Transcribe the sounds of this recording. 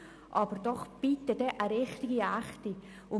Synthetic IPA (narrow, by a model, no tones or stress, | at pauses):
ʔɑbəɾdɔχb̥itədɛʔəɾɪχtɪɡiæχt̪i | ʊ